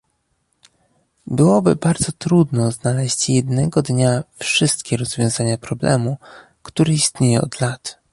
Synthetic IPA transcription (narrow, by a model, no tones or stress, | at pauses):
bɘwɔbɘ̰baɾd̪zɔt̪ɾud̪nɔznalɛɕt͡ɕjɛd̪nɛɡɔd̪ɲafʂɘst̪kʲɛɾɔzvʲjɔ̃w̃zaɲapɾɔblɛ̰mu | kt̪uɾɛist̪ɲejɛɔ̰d̪lat̪